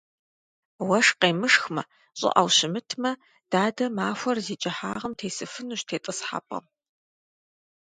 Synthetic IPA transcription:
wɐʂqeːmɨʂxmɐ | ɕʼɪ̰ʔɐ̰wɕɪmɨtʰmɐ | d̥aːdɐmaːfʷɔrziːt͡ʃʼɐħaːʁɐmtʰeːsɨfɨnuːɕtʰeːtʼɨsħa̰ːpʼɐ̰m

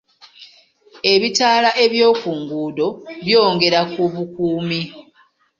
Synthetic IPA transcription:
e̞βitaːlaʔe̞βjo̞ːkuːŋɡuːdo̞βjo̞ːŋɡe̞ɾakuβukuːmi

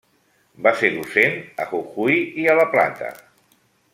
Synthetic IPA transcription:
baseɾðusenə̰ɣuxujiələpla̰t̪ə̰

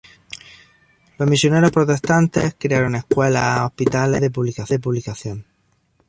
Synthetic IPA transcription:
lo̞ɦmisjo̞ne̞ɾohpɾot̪e̞st̪ant̪e̞hkɾeaɾoŋe̞hkwe̞laohpit̪alḛðe̞p̬uβlikaθðep̬uβlikaθjoŋ

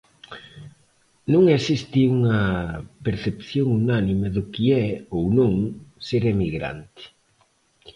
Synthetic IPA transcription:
nũŋesist̪ɪuŋɐpeɾθepθjoŋunanimeðʊkiɛownũŋseɾemiɣɾa̰nt̪ɪ̥

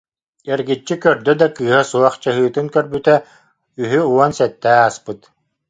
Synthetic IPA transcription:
ɛɾɡit͡ɕːikœɾd̪œd̪akɯːɦasuɔχt͡ɕaɦɯːt̪ɯŋkœɾbyt̪ɛ | yɦyuɔnsɛt̪ːæːaspɯt̪

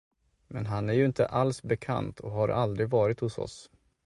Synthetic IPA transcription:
mɛnɦanæɾjɵɪnt̪əʔalsbɛkʰa̰nt̪ʰɔɦaɾʔald̪ɾɪɡvɑːɾɪt̪hʊsɔ̰s

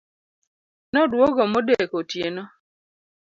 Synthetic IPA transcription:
nɔdwɔɡɔmodekotjenɔ

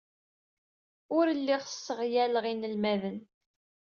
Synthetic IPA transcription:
ʊɾəlːiʁsːəʁjæləʁinəlmæðən

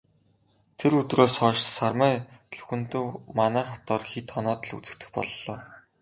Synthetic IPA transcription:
t̪ʰeɾɵt̪roːsχɔːʃsarmæːɮɵ̥xɵ̆nt̪ɵ̆wmanæːχat̪ɔːrxit̪ʰːɔnɔːt̪ə̆ɮṵt͡sɘ̆k̚t̪ɘ̆xpɔ̰ɮːɔː

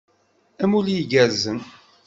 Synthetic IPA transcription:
æmuljiɡæɾzən

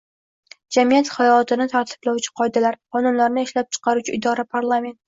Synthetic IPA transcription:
d͡ʒamijat̪χajɒlɒt̪ʰɪnɪt̪ʰaɾt̪ʰɪ̥blawt͡ʃʰɪ̥qʰɒjd̪alaɾqʰɒnʊnlaɾnɪɪʃlap̚t͡ʃʰɨ̥qʰɑɾut͡ʃʰɪɪd̪ɒɾapʰaɾlˠame̞nt̪̚

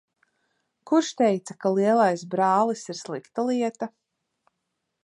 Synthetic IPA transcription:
kuɾʃt̪ɛjt̪sakalˠiɛlˠajsbɾɑːlˠisiɾslˠikt̪alˠiɛt̪a

